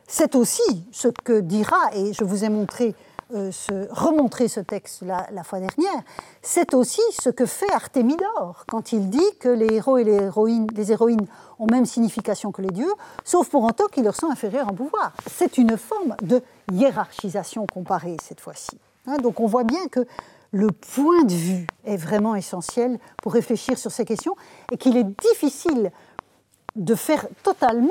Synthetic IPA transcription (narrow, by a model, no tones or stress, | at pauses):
sɛt̪osisəkəd̪iʁaeʒəvuzɛmɔ̃t̪χe | øsəʁəmɔ̃t̪χesət̪ɛkst̪lalafwad̪ɛʁnjɛːʁ | sɛt̪osisəkəfɛaʁt̪emid̪ɔːʁkɑ̃t̪ʰild̪ikəleʁoeleʁɔinlezeʁɔin | ɔ̃mɛmsiɲifikasjɔ̃kəled̪jøsofpuʁɑ̃t̪ɑ̃kilːəʁsɔ̃ɛ̃feʁjœʁɑ̃p̬uvwaːʁsɛt̪ynfɔʁmd̪ə | jeʁaʁʃizasjɔ̃kɔ̃paʁesɛt̪fwa̰si̥ | ɛ̃d̪ɔ̃kɔ̃vwabjɛ̃kə | ləpwɛ̃d̪əvyɛvʁɛmɑ̃esɑ̃sjɛl | puʁːefleʃiʁsyʁsɛkʲɛst̪jɔ̃ | ekilɛd̪ifisil | d̪əfɛʁt̪ɔt̪alm̃